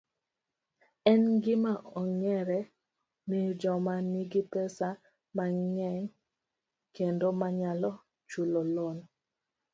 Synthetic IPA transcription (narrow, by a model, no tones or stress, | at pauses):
ɛnɡɪmaʔɔŋɛɾɛ | nid͡ʒɔmaniɡipɛsa | maŋɛŋ | kendomaɲalɔ | t͡ʃulolon